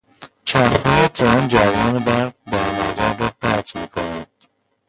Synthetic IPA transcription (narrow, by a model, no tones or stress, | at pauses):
t͡ʃʰæphɑːet̪ʰeɾænd͡ʒævɒːnebæɾɡ̚d̪æɾnæzæɾːɒːpʰæt̪ʰmiːkʰonæd̪̥